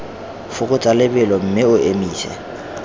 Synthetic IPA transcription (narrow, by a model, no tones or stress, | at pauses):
fʊkʼʊt͡sʼalɪbɪlɔm̩mɪʊʔemiːsɛ̰